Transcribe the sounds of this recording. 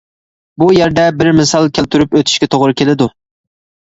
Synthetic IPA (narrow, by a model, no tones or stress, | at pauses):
bujæɾd̪ɛbɪɾmɪsɑlˠkʲʰælt̪ʰyɾypøt̪ʰy̥ʃkʲɛt̪ʰoʁɾɨkʲʰelɪd̪u